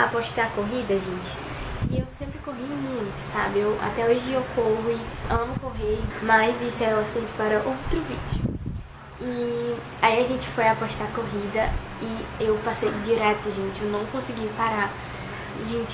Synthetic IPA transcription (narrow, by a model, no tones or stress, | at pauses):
a̰pɔʃt̪akoɦid̪ɐʒẽnt͡ʃɪ̥ | iewsẽmpɾɪkoɦĩmũj̃t̪ʊ̥sabɪewa̰t̪ɛoʒɪewkoɦʊɪɐ̃mʊkoɦeɾmajzisʊɛɾuasẽnt͡ʃ̪ɪ̥paɾɐʔowt̪ɾʊvḭd͡ʒʊ | ɪ | aiaʒẽnt͡ʃɪ̥fojapɔʃt̪akoɦid̪ɐ | ɪewpasejd͡ʒiɾɛt̪ʊʒẽnt͡ʃɪewnɐ̃w̃kõsɪɡipaɾa | ʒẽnt͡ʃɪ̥